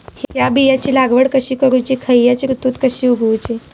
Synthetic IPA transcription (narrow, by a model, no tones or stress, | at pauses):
hɦjabijat͡ɕiːlaɡʋəɽkəɕiːkəɾujt͡ɕiːkʰəjjat͡ɕiɾut̪uːt̪kəɕiːuɡʱut͡ɕi